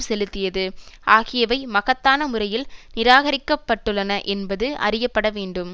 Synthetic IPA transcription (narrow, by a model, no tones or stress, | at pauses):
sɛlɯt̪ːɪjɐðɯʔaːɣɪjɐʋɐɪmɐɣɐt̪ːaːnɐmʊɾɐjɪlnɪɾaːɣɐɾɪkːɐpːɐʈːɯɭːɐnɐʔɛnbɐðɯʔɐ̰rɪjɐpːɐɽɐʋeːɳɖɯm